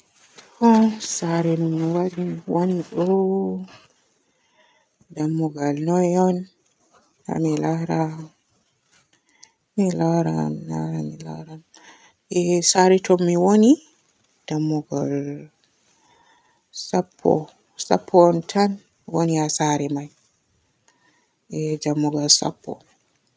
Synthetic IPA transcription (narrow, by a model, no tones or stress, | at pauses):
kɔsaɾɛnumːwaɾiwoniɗɔ | damːɔɡalnɔjɔn | ha̰milaɾa | milaɾa̰nla̰ɾamila̰ɾan | ɛsaɾɛtʰɔmːiwoni | d̥amːuɡal | sapʰːɔ̰ | sa̰pʰːɔːntʰan | woniasaɾɛmaj | ʔɛd͡ʒamːuɡalsa̰pʰːɔ̰